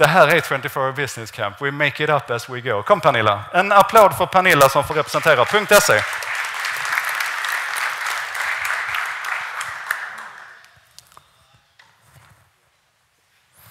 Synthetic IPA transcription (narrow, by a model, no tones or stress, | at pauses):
d̪̥ɛɦæːɾæt̪ʰwɛ̃nt̪ɪfɔɹbɪsnɪskʰæ̃mpwɪmeɪkɪɾapæswɪɡoʊkʰɔmːpʰæɳɪlːa̰ɛnapʰlaːd̪fɔɾpʰanɪlːasɔmfoːɾɛpɾɛsɛnt̪ʰeːɾapʰɵŋk̚t̪ɛseː